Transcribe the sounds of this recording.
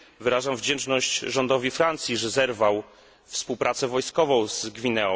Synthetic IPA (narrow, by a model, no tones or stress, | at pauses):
vɘɾaʐamvd͡ʑɛnt͡ʂnɔɕt͡ɕʐɔnd̪ɔvʲifɾant̪sʲjiʐɛzɛɾvaw | fspuwpɾʔat̪sɛvɔjskɔvɔ̃w̃z̥ɡvʲinɛɔ